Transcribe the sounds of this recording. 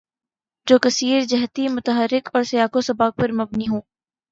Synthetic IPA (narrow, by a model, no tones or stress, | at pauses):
d͡ʒoːkɐsiːɾd͡ʒɐɦt̪imʊt̪əɦəɾːɪkɔːɾsɐjaːkosɐbaːk̚pɐɾmɐbniɦõː